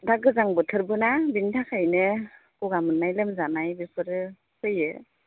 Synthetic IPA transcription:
daɡɯzaŋbɯtʰɯɾbɯnabintʰakʰajnɯ | kuɡamɯnːajlɯmzanajbipʰɯɾɯ | pʰɯjɯ

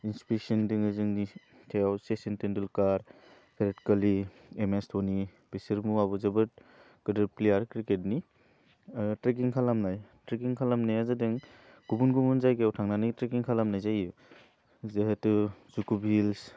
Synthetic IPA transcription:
inspek̚sindɯŋɯzɯŋni | tʰejawsesintendɯlkaɾ | pʰeɾetkɐli | emestʰoni | b̥isiɾmuabuzɐbɯt̚ | kɯdɯɾplejaɾkɾiket̚ni | tɾek̬iŋkʰalamnajtɾek̬iŋkʰalamnajazɯdɯŋ | ɡ̥ubunɡumunzajkeawtʰaŋnanɯtɾekiŋkʰalamnajzajɯ | zeɦetɯzukubʱils

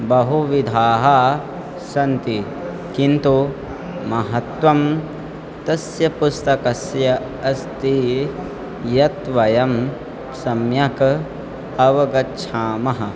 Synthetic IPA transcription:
bɐɦuʋid̪ʱaːɦɐ | sɐnt̪i | kint̪u | mɐɦɐt̪ʋɐm | t̪ɐsjɐpust̪ɐkɐsjɐ | ɐst̪i | jɐt̪ʋɐjɐm | sɐmjɐkɐ | ɐʋɐɡɐtːʃʰaːmɐɦɐ̆

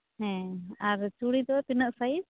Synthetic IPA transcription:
ɦɛ̃aɾt͡ʃuɽid̪ɔt̪inəʔsai

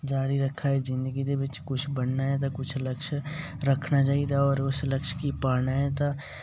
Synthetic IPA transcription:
d͡ʒaːɾiɾɐkʰːaɦɛd͡ʒɪ̃nd̪əɡid̪ebɪt͡ʃkʊt͡ʃʰbəɽnaɦɛt̪akʊt͡ʃʰləkʃ | ɾɐkʰnat͡ʃaːit̪ʰaɔːɾʊslɐkʃkipaːnaɦɛt̪a

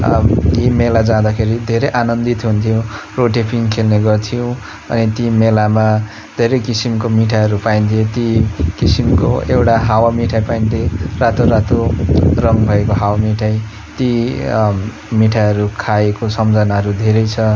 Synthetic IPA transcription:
jimelad͡zãd̪akʰeɾid̪ʱeɾʌjʔanʌnd̪it̪ɦunt̪ʰijõroʈepʰiŋkʰelneɡʌrt̪ʰijõ | ʌ̰nit̪imelama | d̪ʱeɾʌjkisimkomiʈʰaɦʌɾupaint̪ʰiet̪ikisimko̰ewʈaɦawamiʈʰajpaint̪erat̪oɾat̪orʌŋɡbʱʌekoɦawamiʈʰaj | t̪i | miʈʰaɦʌɾukʰaekosʌmd͡zʱʌnaɦʌɾud̪ʱeɾʌjt͡sʰʌ

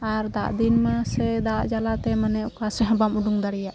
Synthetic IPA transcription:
aɾd̪aʔd̪inmasɛd̪aʔd͡ʒalat̪ɛmanɛʔukasɛɦãbamuɖuŋd̪aɽijaʔ

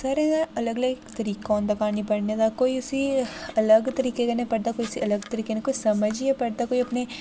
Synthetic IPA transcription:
sɐɾɛ̃ɐləɡɐləɡt̪ɐɾiːkõːnd̪ɐkaːnipɐɽned̪akoːiʊsiɐləɡt̪ɐɾiːkekɐnepɐɽd̪akoːisiʔɐləɡt̪ɐɾiːkenekoːisɐməd͡ʒiɛpɐɾd̪akoːiɐpne

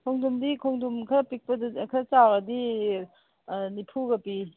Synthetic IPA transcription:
kʰoŋdumdikʰoŋdumkʰɾɐpik̚pɐdkʰɾɐt͡ʃawɾɐdi | nipʰuɡɐpi

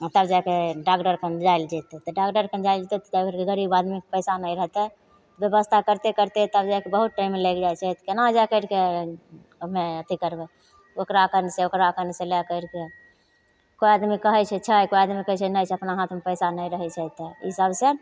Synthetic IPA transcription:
t̪əbd͡ʒakeɖakɖəɾkʰənd͡ʒaild͡ʒat̪et̪ɔɖakɖəɾkʰənd͡ʒaɪld͡ʒet̪ɛt̪ɔd͡ʒakəɾkeɡəɾibad̪mikpəɪsanəĩɾəɦt̪ɛ | t̪ɔbjəbəst̪ʰakəɾt̪ekəɾt̪et̪əbd͡ʒajkebəɦut̪̚ʈaimːeləkd͡ʒajt͡ʃʰɛt̪kenad͡ʒajkəɾke | meət̪ikəɾbɛ | okɾakəɾnseokɾakəɾnselɛkəɪɾke | kojad̪mikəɦɛt͡ʃʰɛt͡ʃʰəjkojad̪mikət͡ʃʰɛnət͡ʃʰɛəpnaɦat̪ʰmepəɪsanəĩɾəɦɛt͡ʃʰɛt̪eḭsəbse

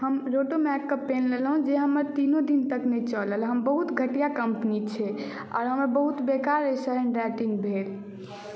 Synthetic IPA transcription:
həmɾoʈomɛkːəpːenlelɦũd͡ʒeɦəməɾt̪inod̪int̪əknɛt͡ʃələlɦəmbəɦut̪ɡʱəʈijakəmpnit͡ʃʰɛ | ɔ̰ːɾɦəməɾbəɦut̪bekaɾesəɦəɳɖɛʈiŋɡbʱel

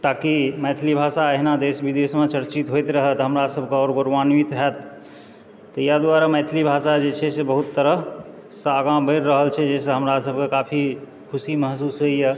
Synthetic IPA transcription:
t̪akimɛt̪ʰlibʱasaəɦnad̪esbid̪esmẽt͡ʃəɾt͡ʃit̪ɦojt̪ɾəɦət̪ɦəmɾasəbʱkeɔːɾɡoɾʋanwit̪ɦɛt̪ː | ɔjad̪waɾamɛjt̪ʰlibʱasad͡ʒet͡ʃʰɛsebəɦut̪ːəɾəɦ | səɡãbəɾːəɦəlt͡ʃʰɛd͡ʒɛseɦəmɾasəbʱkekapʰi | kʰusiməɦsusɦoijɛ

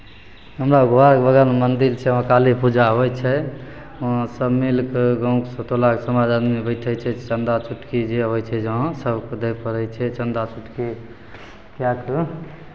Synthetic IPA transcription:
ɦəmɾaɡʱoaɾkbəɡəlmənd̪ilt͡ʃʰɛãkalipud͡ʒaɦojt͡ʃʰɛ | ɔ̃səbmilkɡãũksot̪olaksəmad͡ʒanmibəɪʈʰɛt͡ʃʰɛt͡ʃənd̪at͡ʃʰuʈkid͡ʒeɦojt͡ʃʰɛd͡ʒə̃ɦsəbkd̪epəɾɛt͡ʃʰɛt͡ʃənd̪at͡ʃʰuʈki | kjak

